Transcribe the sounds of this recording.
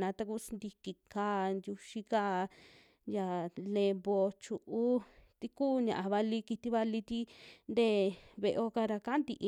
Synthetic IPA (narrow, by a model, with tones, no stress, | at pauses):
nã˨˧t̪a˧ku˦snd̪i˧ki˧ka˧˦nd̪ju˧ʃi˧ka˦ | ja˨le˧bo˧t͡ʃu˧ʔu˦t̪i˧kuː˦˨ɲã˨ʔa˧βa˧li˧ki˧t̪i˧βa˧li˧t̪i˦nd̪e˦˧˨βe˧ʔo˧ka˧ɾa˧ka˦nd̪ḭ˧ʔ